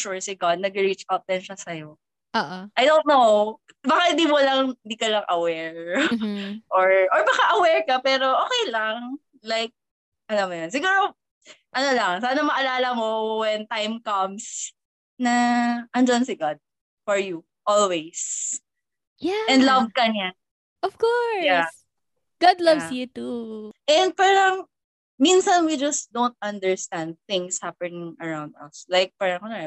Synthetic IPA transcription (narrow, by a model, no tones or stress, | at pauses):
ʃuɹsɪɡad̪̚nɐɡɪɹit͡ʃpɐp̚d̪ɛnʃɐsɐjo | ʔoʔʔɐjd̪ont̪now | bakahɪ̃nd̪iːmɐlaŋɪnd̪iːkɐlɐŋʔɐwɛɹ | ʔoɹʔɔɹbɐkaʔɐwɛɹkɐpɛːɾo̞ʔoːkɛjlɐŋ | lajk̚ | ʔɐlamːɐjons̬ɪɡuːɹo | ʔɐnolɐŋsaːnɐmɐʔɐlaːlɐmowɛnt̪ajmkɐms | nɐʔɐnd͡ʒɐnsɪɡad̪̚ | fɔɹju | ʔɔlwejs | jaɛ̃nd̪lavkɐɲa | ʔɔfkɔɹjas | ɡ̥ad̪lɐvsjut̪uʔɛ̃nd̪̚paːɾɐŋ | minsɐnwid͡ʒɐsd̪ow̃nt̪̚ʔɐ̃nd̪ɛɹst̪ãnd̪̚θɪ̃ŋshapɛnɪŋʔɐɹãwnd̪ɐ̰slajk̚paːɾɐŋnonɛ